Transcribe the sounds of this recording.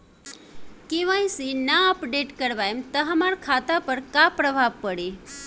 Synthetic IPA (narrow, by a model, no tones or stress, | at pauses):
kiʋãĩsinaəpɖeʈkəɾʋajemt̪əɦamaɾkʰat̪apəɾkapɾəbʱaʋpəɽe